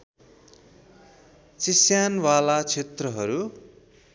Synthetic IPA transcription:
t͡sisjanwalat͡sʰet̪rʌɦʌɾu

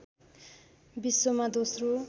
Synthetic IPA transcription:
bisːomad̪osro

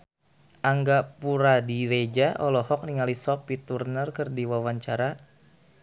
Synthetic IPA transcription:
ʔaŋɡapuɾadiɾed͡ʒaʔɔlɔhɔk̚niŋalisɔpit̪urnərkərdiwawaɲt͡ʃaɾa

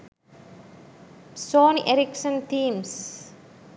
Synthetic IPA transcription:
sonɛ̰ɾiksə̃nt̪ĩːms

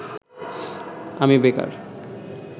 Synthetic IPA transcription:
amibeka̰ɾ

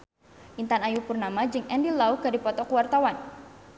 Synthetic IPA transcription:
ʔint̪anajupurnamad͡ʒɨŋɛndilaukaɾipɔt̪ɔkuwart̪awan

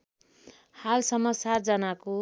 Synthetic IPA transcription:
halsʌmːʌsad͡zʌnako

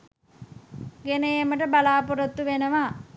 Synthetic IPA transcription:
ɡenəjeməʈəbalaːpuɾət̪ːuʋenəʋa

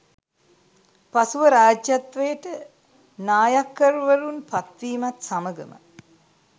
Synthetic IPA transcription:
pasuʋəɾaːd͡ʒjat̪ʋəjəʈə | naːjakːəɾuʋəɾunpat̪ʋiːmat̪saməɡəmə̰

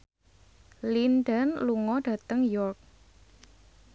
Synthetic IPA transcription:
lindənluŋɔɖ̥ä̤t̪əŋjɔrk̚

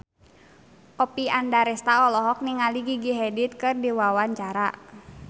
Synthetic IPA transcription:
ʔɔpiandaɾɛst̪aɔlɔɦɔk̚niŋaliɡiɡiɦɛdit̪̚kɨrdiwawaɲt͡ʃaɾa

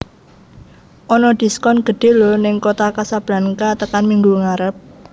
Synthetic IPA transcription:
ʔɔnɔd̪̥i̤skɔnɡ̥ə̤ɖ̪̥e̤lonɪŋkot̪akasab̥ɾa̤nkat̪əkanmiŋɡuŋaɾəp̚

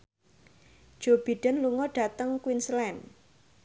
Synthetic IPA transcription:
d̥d͡ʒ̥ob̥i̤ɖ̥ənluŋɔɖ̥a̤t̪əŋkwinslɛn

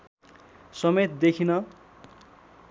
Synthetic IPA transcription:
sʌmet̪d̪ekʰinʌ

